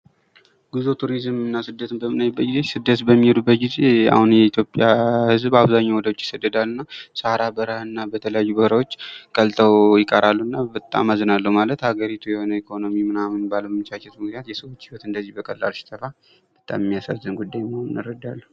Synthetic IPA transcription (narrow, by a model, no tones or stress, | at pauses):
ɡ̥uzot̪ʰuɾizmɨnːasɨd̪ːət̪ʰɨmbəmɨnajbəɡizesɨd̪ːət̪bəmːihd̪ubət̪ɡizea̰hunjɛit̪ʰjo̞pʼjahɨzbaβzaɲːawɔd̪əwot͡ʃːjɪsəd̪ːəd̪alːɨnːasahɾabəɾahɨnːabət̪ʰələjajːubəhɾawo̞t͡ʃːkʼəlt̪ʼʰəwjɪkʼəɾalːuɨnːabət̪ʼːa̰mazɨnalːəhmalət̪haɡəɾit̪ʰujɛho̞nəikʰo̞no̞mimɨnamɨnbaləmɨt͡ʃʰat͡ʃɛt̪mɨknijat̪jɛsəwot͡ʃːhiwɔt̪ɨnd̪əzːihbəkʼəlːa̰lʃɪ̥t̪ʰəfa | b̥ət̪ʼa̰mmːijasazːɨnɡud̪ːajməhonɨnaɾəd̪alːə